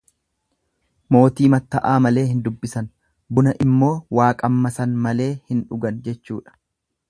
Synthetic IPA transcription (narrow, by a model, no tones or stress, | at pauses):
mo̞ːt̪iːmɐt̪ːɐʔaːmɐle̞ːhɪnd̪ʊbːɪsɐn | bʊnɐʔɪmːo̞ːwaːkʼɐmːɐsɐnmɐle̞ːhɪnᶑʊɡɐnd͡ʒɛt͡ʃːuːᶑɐ̥